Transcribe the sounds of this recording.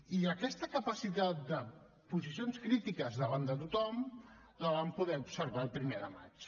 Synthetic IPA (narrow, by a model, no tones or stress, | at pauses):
iəkɛst̪əkəpəsit̪at̪̚d̪ə | puzisionskɾit̪ikəzðəβand̪ət̪ut̪ɔm | ləβampuðɛupsəɾβalˠpɾimeðəma̰t͡ʃ